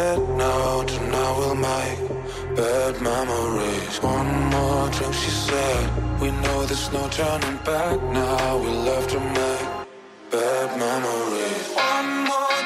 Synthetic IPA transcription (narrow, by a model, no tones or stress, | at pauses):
dnaʊtʰɨnaʊwɪlˠmaɪ | b̥ɛd̚mɛməɹiz̥wʌ̃nmɔɹtʰamʃisɛd̚winoʊðɨsnoʊtʰɜ˞nɪ̃ŋbæk̚naʊwilʌvdɨmaɪ | b̥ɛd̚mɛməɹizʌnmɔ